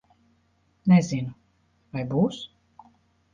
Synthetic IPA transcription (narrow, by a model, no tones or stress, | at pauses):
nɛzinu | vajbuːs